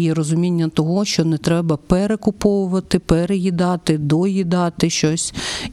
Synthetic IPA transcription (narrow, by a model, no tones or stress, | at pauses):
jiɾɔzʊmʲinʲːɐt̪ɔɦɔʃt͡ʃɔnɛt̪ɾɛbɐpɛɾekʊpɔʋʊʋɐt̪ɪpɛɾejid̪ɑt̪ɪd̪ɔjid̪ɑt̪ɪʃt͡ʃɔsʲ